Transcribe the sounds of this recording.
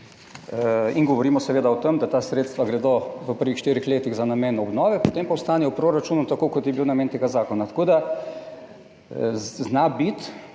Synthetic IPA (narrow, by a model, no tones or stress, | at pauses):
iŋɡɔʋɔɾiːmɔsɛʋeːd̪aɔt̪emd̪at̪aːsɾeːt̪st̪ʋaɡɾɛd̪oʋəpəɾʋixʃt̪iːɾixleːt̪iɣzanameːnɔbnɔːʋɛpot̪eːmpawst̪aːnɛɔpɾoɾat͡ʃuːnut̪akoːkɔt̪jɛbiwnameːnt̪eːɡazaːkɔnat̪ḁkoːd̪a | znabit̪